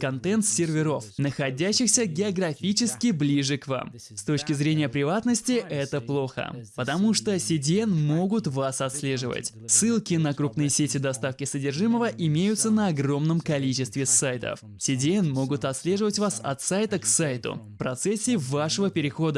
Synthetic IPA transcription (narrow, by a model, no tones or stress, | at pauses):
kɐnt̪ɛnt̪sʲɪrvʲɪɾo̞fnəxɐdʲæɕːɪxsʲəɡʲɪɐɡrɐfʲit͡ɕɪskʲɪblʲiʐɨkva̰m | st̪o̞t͡ɕkʲɪzɾʲenʲɪjəpɾʲɪvat̪nəsʲtʲɪʔɛt̪əplˠo̞xə̰pət̪ɐmuʂt̪osʲɪdʲɪɛnmo̞ɡʊt̪vasɐt̪sʲlʲe̞ʐɨvə̰tʲ | sɨlˠkʲɪnəkɾupnɨjəsʲetʲɪd̪ɐst̪afkʲɪsədʲɪrʐɨməvəʔɪmʲejʊt̪sənəɐɡro̞mnəmkɐlʲit͡ɕɪst̪vʲɪsajt̪ə̰f | sʲɪdʲɪɛnmo̞ɡʊt̪ɐt̪sʲlʲe̞ʐɨvətʲvasɐ̰t̪sajt̪əksajt̪ʊ̰fpɾɐt̪sɛsʲːɪːvaʂəvəpʲɪɾʲɪxo̞d̪ə